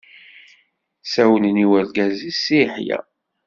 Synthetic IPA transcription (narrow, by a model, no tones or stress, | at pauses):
sæwnniwæɾɡæzisiħjæ̰